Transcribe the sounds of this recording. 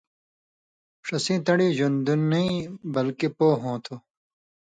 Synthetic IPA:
ʂɐsĩːt̪ɐɽiːʑund̪unːɐĩbɐlkipoːɦõːt̪ʰo

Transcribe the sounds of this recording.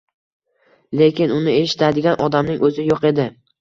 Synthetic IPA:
le̞kʲɪnʊnɪe̞ʃɪ̥t̪ʰad̪ɪɡʲanʔɒd̪amnɪŋʔɵzɪjoqe̞d̪ɪ

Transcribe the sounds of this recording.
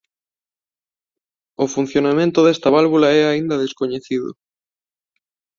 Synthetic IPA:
ofun̟θjonamẽnt̪ʊðɛst̪ɐβalβulaɛaind̪ɐðeskoɲeθiðʊ̰

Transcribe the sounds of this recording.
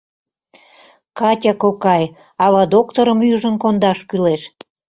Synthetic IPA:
kɑtʲɑkokɑj | ɑlɑd̪ok̚t̪oɾəmyʒənkond̪ɑʃkyleʃ

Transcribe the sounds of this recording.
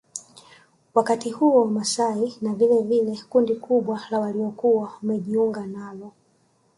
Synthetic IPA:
wakatihuɔwamasainavilɛvilɛkundikʰuɓwalawaliɔkuwaumɛʄiuŋɡanalɔ

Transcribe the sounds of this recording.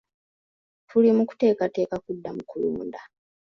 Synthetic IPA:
tʰulimuku̥te̞ːkate̞ːkakudːamukʰulḭmṵnda

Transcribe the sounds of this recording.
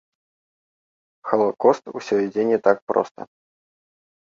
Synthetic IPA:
xəlˠɐkɔst̪ṵsʲɔid͡zʲenʲɪt̪ak̚pɾɔ̰st̪ə̰

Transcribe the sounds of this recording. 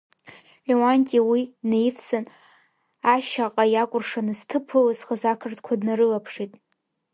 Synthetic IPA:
lʲewantʼiwinejfsɨn | aʃaqʼajakʷʼʊrʂanɨztʰɨpʰɨlzχəzakʰɨrtʰkʷʰadnaɾɨlapʰʂitʼ

